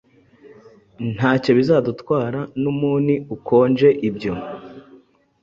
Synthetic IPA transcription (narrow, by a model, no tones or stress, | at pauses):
n̥haːco̞βizadutwaːɾanumuːniukʰo̞ːnd͡ʒe̞ʔibɟo̞